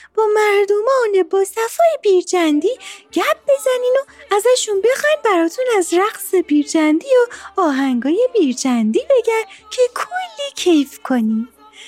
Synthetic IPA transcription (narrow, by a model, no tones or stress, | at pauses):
b̥ɒːmæɾd̪omɒːne̞bɒːsæfɒːjebiːɾd͡ʒænd̪iːɟ̥æb̚be̞zæniːnoæzæʃunbe̞xɒjnbæɾɒːt̪ʰunæzɾæɣse̞biːɾd͡ʒænd̪ijoɒːɦæŋɡɒːje̞biːɾd͡ʒænd̪iːbe̞ɡæɾcʰe̞kʰolːiːcʰejfkʰo̞niːn